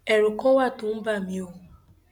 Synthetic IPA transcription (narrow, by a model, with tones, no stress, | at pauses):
e˨ɾʊ˨kɔ˦wa˦˨tʊ˨m̩˦ba˦˨mĩ˨o˦˨